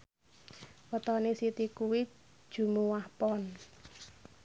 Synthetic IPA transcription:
wət̪ɔnesit̪ikuwi̥ | ʒ̥ṳmuwahpɔn

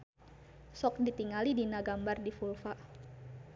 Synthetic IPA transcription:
sɔk̚dit̪iŋalidinaɡambardifulfa

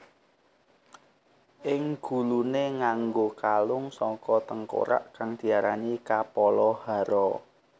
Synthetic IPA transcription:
ʔɪŋɡ̥ṳluneŋaŋɡokalʊŋsɔŋkɔt̪əŋko̰ɾa̰ʔkaŋd̪̥i̤aɾanikapɔlɔhaɾɔ

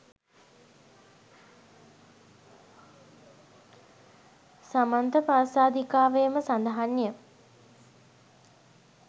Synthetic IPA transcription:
samant̪əpaːsaːd̪ikaːʋejəməsand̪əɦanjə

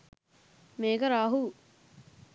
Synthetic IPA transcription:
meːɡɐɾaːɦu

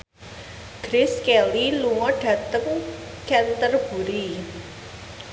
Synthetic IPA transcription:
ɡ̥ɾɪskɛliluwɔ̃ɖat̪əm | kʰɛnt̪ərbuɾi

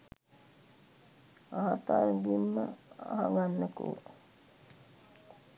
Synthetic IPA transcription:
aɦat̪aːɾŋɡimːəa̰ɦaŋɡanːəkṵ

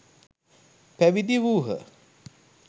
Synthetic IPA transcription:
pæʋid̪iʋuːɦə̰

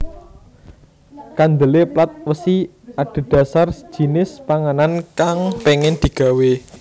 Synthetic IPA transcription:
kand̪əleplat̪̚wəsi | aɖ̥ə̤ɖ̪̥ä̤sar̥ʒ̥i̤nɪspaŋanankaŋpeŋɪnd̪̥i̤ɡ̥a̤we

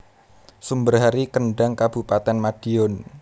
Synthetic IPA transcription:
sumbərɦaɾikəɳɖaŋkab̥upat̪ɛnmad̥iɔn

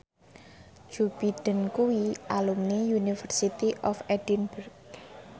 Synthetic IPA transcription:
d͡ʒ̥ub̥id̥ə̤nkuwiʔalumnijunifərsit̪iʔɔfɛd̥inbərɡ̚

